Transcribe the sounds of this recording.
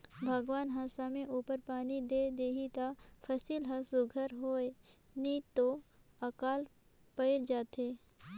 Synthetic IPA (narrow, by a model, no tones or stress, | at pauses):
bʱəɡʋaːnɦasamẽʔuːpəɾpaːnid̪ed̪eːɦit̪apʰəsiːlɦɐsʊɡʱəɾɦoːe | niːt̪o | ɐkaːl | pəɪɾd͡ʒaːt̪e